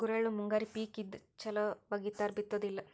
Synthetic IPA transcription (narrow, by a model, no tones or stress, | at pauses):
ɡuɾɐɭumuŋɡaːɾipiːkid̪t͡ʃɐlɐʋɐɡit̪ːaːɾbit̪ːod̪ilːɐ